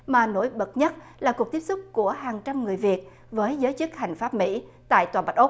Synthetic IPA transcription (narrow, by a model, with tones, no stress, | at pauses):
maː˨˩no̰˧˩jɓə˨˩t̚ɲə˦˥t̚ | laː˨˩ku˨˩k̚t̪i˦˥p̚sʊ˦˥k͡p̚ku˧˩əhaː˨˩ŋt͡ɕa˧mŋɨ˨˩əjvi˨˩ət̚ | vəː˨˦jzəː˨˦jt͡ɕɨ˦˥k̚ha˨˩jŋ̟faː˦˥p̚mḭ˧˥t̪a̰ː˧˨jt̪waː˨˩ɓa˦˥t̚ʔo˦˥k͡p̚